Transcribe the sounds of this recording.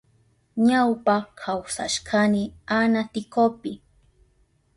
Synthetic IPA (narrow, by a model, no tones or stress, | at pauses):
ɲawpakʰawsa̰ʃkʰanɪanat̪ɪkopɪ